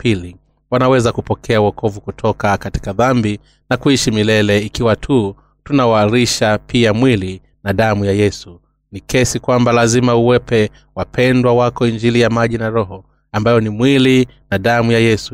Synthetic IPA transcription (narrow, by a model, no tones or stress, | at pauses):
pʰili | wanawɛzakupɔkʰɛawɔkɔvukutʰɔkakati̥kaðambi | nakuiʃimilɛlɛikiwatʰu | tunawaɾiʃapʰiamwili | naɗamujajɛsu | nikɛsikwambalazimauwɛpɛ | wapʰɛndwawakɔind͡ʒilijamaʄinaɾɔɦɔ | ambajɔnimwili | naɗamujajɛsu